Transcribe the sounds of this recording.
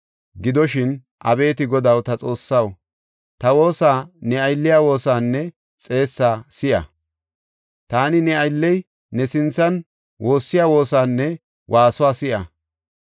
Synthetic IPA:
ɡɪd̪ɔʃɪn | ʔɐ̰be̞ːt̪ɪɡɔd̪ɐwt̪ɐt͡sʼo̞ːsːɐw | t̪ɐwo̞ːsaːnɛɐjlːɪjaːwo̞ːsaːnːɛ | t͡sʼe̞ːsːaːsɪʔɐ̰ | t̪aːnɪnɛɐjlːɛj | nɛsɪnt͡sːɐn | wo̞ːsːɪjaːwo̞ːsaːnːɛ | wʔaːsʊwaːsɪʔɐ

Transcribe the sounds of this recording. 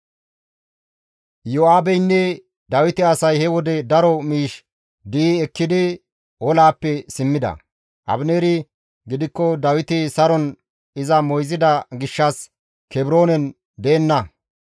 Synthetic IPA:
joaːbɛjnːɛ | d̪ɐwɪt̪ɪɐsɐjhɛwɔd̪ɛd̪ɐɾɔmiːʃ | d̪iɛkːɪd̪ɪ | ʔɔlaːpːɛsɪmːɪd̪ɐ̰ | ʔɐ̰bneːɾɪ | ɡɪd̪ɪkːɔd̪ɐwɪt̪ɪsɐɾɔn | ɪzɐmɔjzɪd̪ɐɡɪʃːɐs | kʰɛbɪɾo̞ːnɛn | d̪eːnːɐ

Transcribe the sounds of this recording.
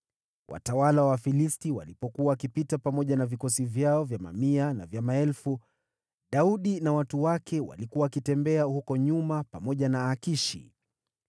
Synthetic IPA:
wʔa̰tawalawafilistiwa̰lipɔkuwawkipitapamɔʄanavikɔsivjaɔvjama̰miana̰vjamaɛlfu | ɗauɗinawatuwakʰɛwa̰likuwawakitɛmbɛahukɔɲumapamɔʄanaːkiʃḭ

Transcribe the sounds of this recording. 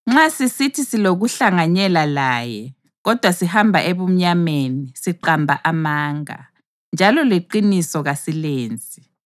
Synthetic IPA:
ŋ͡ǁasisitʰisiloɣuɬaŋaɲɛlalaːjɛ | ɣɔd̥ʱwasihambʱaʔeβum̩ɲamenisiǃambʱaʔamaːŋa̰ | nd͡ʒʱalɔleǃinisɔɣasileːnd͡zʱʼi

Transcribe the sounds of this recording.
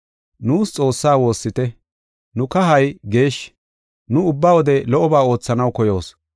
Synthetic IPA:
nuːst͡sʼo̞ːsːaːwo̞ːsːɪt̪ɛ | nʊkɐɦɐjɡe̞ːʃ | nʊʊbːaːwɔd̪ɛlɔʔɔbaːo̞ːt͡sːɐnɐwkɔjo̞ːs

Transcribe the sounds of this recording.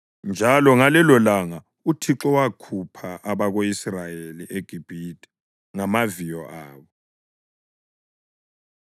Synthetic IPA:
nd͡ʒʱalɔŋalɛlɔlaŋa | utʰiǁɔwakʰupʰaʔaβaɣoisrajeliʔeɡ̥ʱib̥ʱidʼɛ̥ | ŋamavijɔʔaːβɔ

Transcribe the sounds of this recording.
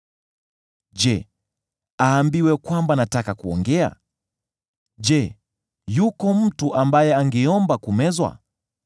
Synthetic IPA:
d͡ʒɛ | aːmbiwɛkwambanatakakuɔŋɡɛa̰ | d͡ʒɛ | jukɔm̩tuʔambajɛaŋɡɛɔmbakumɛzwa̰

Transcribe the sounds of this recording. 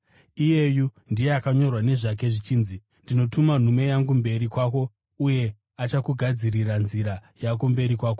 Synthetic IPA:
ije̞ju | ndijeakaɲo̞rwane̞ʐak̬e̞ʐit͡ʃiːnzi | ndino̞tuman̤ume̞jaŋɡumbe̞ɾikwaːko̞ | uje̞ | at͡ʃakuɡʱad͡ziriranziɾajakombe̞ɾikwaːk̬o

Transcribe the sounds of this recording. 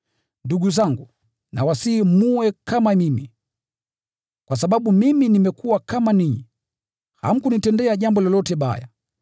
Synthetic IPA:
nduɡuzaŋɡu | na̰wasiːmuwɛkamamimi | kwas̬aɓaɓumiminimɛkuwakamaniɲi | ha̰m̩kunitɛndɛaʄambɔlɔlɔtɛɓa̰ja̰

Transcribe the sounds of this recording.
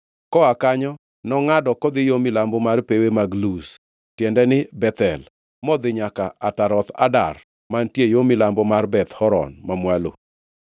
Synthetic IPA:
kɔakaɲɔ | nɔŋadɔkɔd̪ɪjomɪlambɔmarpewemaɡlus | tjɛndɛnɪbɛt̪ɛl | mɔd̪ɪɲakaʔataɾɔt̪a̰da̰r | mantjejomɪlambɔmarbɛt̪hɔɾɔ̰nmamwalo̰

